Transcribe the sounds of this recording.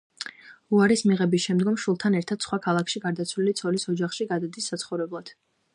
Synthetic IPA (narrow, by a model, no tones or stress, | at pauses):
uaɾismiʁɛbisʃɛmd̪ɡɔmʃulˠt̪ʰanɛɾt̪ʰad̪̥sχwakʰalˠakʰʃiɡaɾd̪at̪sʰwlilit̪sʰɔlisɔd͡ʒaχʃiɡad̪ad̪isːat̪sʰχɔvɾɛblˠad̪̥